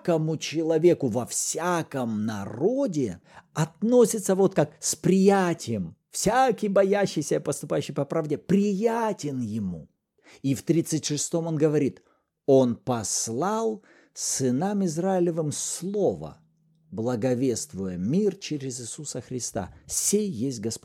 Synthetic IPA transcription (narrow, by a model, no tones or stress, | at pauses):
kəmʊt͡ɕɪlˠɐvʲe̞kʊvɐfsʲakəmnɐro̞dʲɪɐt̪no̞sʲɪt̪səvo̞t̪̚kak̚spɾʲɪjætʲɪjəm | fsʲakʲɪjbɐjaɕːɪjsʲəipəst̪ʊpajʉɕːɪjpɐpɾavdʲɪpɾʲɪjatʲɪnjɪmṵ | ift̪ɾʲit̪sɨtʲʂɨst̪o̞mo̞nɡəvɐɾʲit̪ | o̞npɐslˠɑlˠ | sɨnamɪzraɪlʲɪvɨmslˠo̞və̰ | blˠəɡɐvʲest̪vʊjəmʲirt͡ɕɪɾʲɪzɪsusəxɾʲɪst̪a̰sʲejːesʲt̚ʲɡɐspo